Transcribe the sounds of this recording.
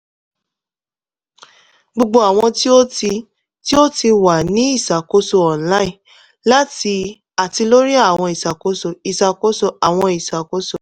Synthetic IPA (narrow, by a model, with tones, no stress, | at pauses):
ɡ͡bo˧ɡ͡bo˧a˨w̃ɔ̃˧ti˦o˦ti˧ | ti˦o˦ti˧wa˨nĩ˦i˦˨sa˨ko˨˦so˧ɔ̃˨˦la˨˦ĩ˦˨ | la˦ti˧ | a˨ti˧lo˦ɾi˦a˦˨w̃ɔ̃˧i˨sa˨ko˨˦so˧˨i˨sa˨ko˦so˧˨a˨w̃ɔ̃˧i˨sa˨ko˨˦so˦˨